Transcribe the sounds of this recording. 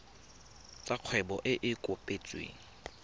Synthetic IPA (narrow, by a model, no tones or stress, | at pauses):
t͡sʼaq͡χʰwɛbɔʔɪʔɪkʼʊpʼet͡sʼwḛːŋ̩